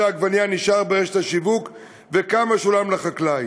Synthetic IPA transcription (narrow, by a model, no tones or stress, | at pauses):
aaɡvanjaniʃaʁbeʁeʃe̥t̪haʃivuk | vekamaʃulamlaχaklaj